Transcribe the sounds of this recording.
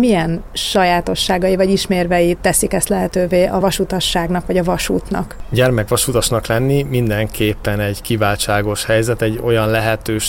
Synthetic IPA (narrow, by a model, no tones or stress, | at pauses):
miɛnʃɒjaːt̪o̞ʃːaːɡɒjivɒɟiʃmeːrvɛjit̪ɛsikɛst̪lɛɦɛt̪øːveːʔɒvɒʃut̪ɒʃaːɡnɒkʋɒɟɒvɒʃṵːt̪nɒ̰kɟɛrmɛkʋɒʃut̪ɒʃnɒklɛnːimind̪ɛŋkʰeːpːɛnɛɟkivaːlt͡ʃaːɡo̞ʃhɛjzɛt̪ɛɟːo̞jɒnlɛɦɛt̪øːʃ